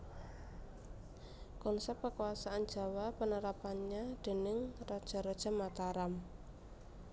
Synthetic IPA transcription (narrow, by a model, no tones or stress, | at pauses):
kɔnsɛp̚kəkuasaʔand̥d͡ʒ̥a̤wapənəɾapanɲad̪̥e̤nɪŋrɔd̥ʒ̥a̤ɾɔd̥ʒ̥a̤mat̪aɾam